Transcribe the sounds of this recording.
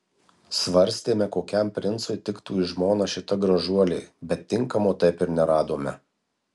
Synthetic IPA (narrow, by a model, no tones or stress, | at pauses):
sʋɐɾʲsʲt̪ʲeːmʲɛkoːkʲɛmpʲɾʲɪnt̪sʊɪt̪ʲɪkt̪uːɪʒmoːnɐʃʲɪt̪ɐɡɾɐʒuɔlʲeːbʲɛt̪ʲːɪŋkɐmoːt̪ɐɪpɪɾnʲɛɾɑːd̪oːmʲɛ